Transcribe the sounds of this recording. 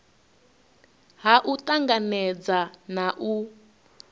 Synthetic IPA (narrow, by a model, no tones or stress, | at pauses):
ɦaʔutʼaŋɡanɛd͡zanaʔu